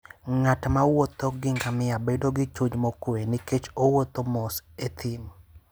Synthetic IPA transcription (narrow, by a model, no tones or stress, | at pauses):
ŋatmawot̪oɡɪŋɡamɪabedoɡɪt͡ʃud͡ʒmokweniket͡ʃowot̪omɔset̪ʰɪm